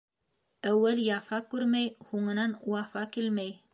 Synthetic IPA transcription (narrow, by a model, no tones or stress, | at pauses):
æwːæljɑfɑkːʉɾmæjhoŋɤ̆nɑnuwɑfɑkilmæj